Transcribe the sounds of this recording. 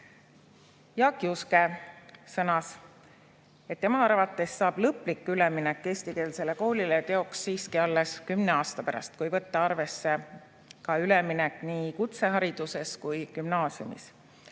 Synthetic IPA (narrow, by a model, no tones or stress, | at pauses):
jɑkˑːiuskesɤnɑs | et̪ːe̞mɑɑrvɑt̪ːˑe̞sːɑːb̥lɤplikːˑyleminɛkːe̞ːst̪ike̞ːlse̞le̞ko̞ːlʲilet̪e̞o̞ksːiːskiɑlːe̞skymne̞ɑːst̪ɑpæɾʔɑ̰st̪̚kujvɤt̪ːɑɑrve̞sːe̞ | kɑyleminɛkːˑniːkut̪se̞ɦɑɾid̪̥use̞skujkymnɑːsjṵmḭs